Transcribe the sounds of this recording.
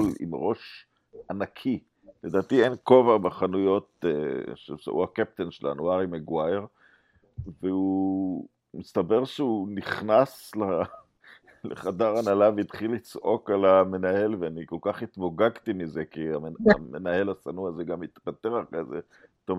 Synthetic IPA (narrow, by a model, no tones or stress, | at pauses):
lḭmʁo̞ʃ | anakʰi | led̪aːt̪ienko̞vabaχanujo̞t̚eʃesa̰ʔṵakep̚t̪enʃela̰nuaʁimeɡwajeʁ | veu | mist̪abe̞ʁʃeuniχnasla | lḛχadaʁanalaveit̪χilit͡sʔo̞kalame̞nae̞lveaniko̞lkaχit̪boɡaɡt̪imizekiamamenahe̞lasanuazeɡamit̪pat̪eʁakaze | t̪om